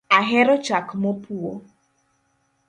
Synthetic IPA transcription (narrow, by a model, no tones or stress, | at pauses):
aɦɛɾɔt͡ʃakmɔpuɔ